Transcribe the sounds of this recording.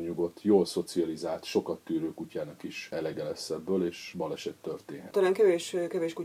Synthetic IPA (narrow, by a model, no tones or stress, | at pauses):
ɲuɡo̞t̪ːjoːlso̞t̪siɒlizaːlt̪ʃo̞kɒt̪ːyːɾøːkucaːnɒkiʃɛlɛɡɛlɛsɛbːøːleːʃbɒlɛʃɛt̪ːørt̪eːnɦɛt̪ɒlaːŋkɛveːʃkɛveːʃku